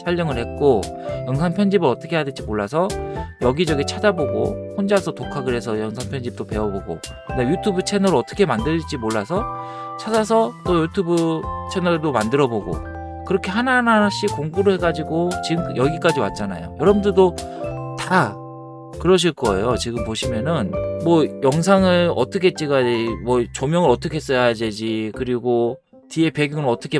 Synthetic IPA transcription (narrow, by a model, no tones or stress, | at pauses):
t͡ɕʰaʎːʌŋɯɭhe̞t̚k͈ojʌŋs̬ʰanpʰjʌnd͡ʑibɯɾʌt͈ʰʌkʰe̞jaded͡ʑimoɭːas̬ʰʌjʌɡid͡ʑʌɡit͡ɕʰad͡ʑaboɡo̰hond͡ʑasʰʌtokʰaɡɯɾɦe̞sʰʌʌŋsʰanpʰjʌnd͡ʑip̚t͈ope̞wʌboɡo̰kɯndejutʰubut͡ɕʰe̞nʌɾoʌt͈ʌ̥kʰe̞mandɯd͡ʑimoɭːasʰʌt͡ɕʰad͡ʑas̬ʰʌt͈ojutʰubɯt͡ɕʰe̞nʌdomandɯɾʌboɡo̰ | kɯɾʌkʰe̞ɦananaɕ͈ikoŋɡuɾɯhe̞ɡad͡ʑiɡot͡ɕiɡɯmjʌɡik͈ad͡ʑiwa̰t̚t͡ɕ͈ana̰jo̰jʌɾʌbɯndedota | kɯɾʌɕ̬ʰiɭk͈ʌe̞̰jot͡ɕiɡɯmpoɕʰimjʌnɯnmwʌjʌŋs̬ʰaŋɯɭʌ̰t͈ʌkʰet͡ɕ͈iɡadmwʌt͡ɕomjʌŋɯɭɾʌt͈ʌkʰe̞es͈ʌjaaded͡ʑikɯɾiɡo | tie̞pe̞ɡjuŋɯɾʌt͈ʌkʰe